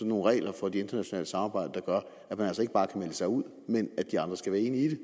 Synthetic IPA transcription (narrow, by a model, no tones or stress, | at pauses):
ɒno̝ːn̩ʁɛ̰ːlʔɐfɒ̽d̥ee̝nd̥ɐnæɕonɛ̰ːləsɑ̈mɑ̈ːbɑ̈ɪ̰d̥əd̥ɑ̈ɡ̥ɶɐ | æmænælsɒe̝ɡ̥əb̥ɑ̈ːkʰæmeləsɑ̈ɪuð̞̰ˠ | menæ̥d̥iɑ̈nd̥ʁɐsɡ̥æʋæːɐe̝̰ːniid̥e